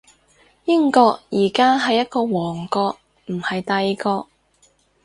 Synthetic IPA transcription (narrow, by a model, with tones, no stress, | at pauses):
jɪ˥ŋkɔː˧k̚jiː˨˩kaː˥ɦɐ˨jːɐ˥t̚kɔː˧wɔː˨˩ŋkɔː˧k̚ | m̩˨˩hɐ˨jt̪ɐ˧jkɔː˧k̚